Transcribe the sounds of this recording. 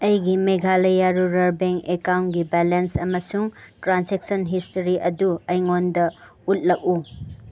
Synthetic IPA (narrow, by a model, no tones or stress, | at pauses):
ɐjɡimeɡʱalɐjaɾuɾɐɾbeŋekawnɡibalensɐmɐsuŋtɾanseksɔnɦistoɾiʔɐduɐjŋondɐut̚lɐk̚u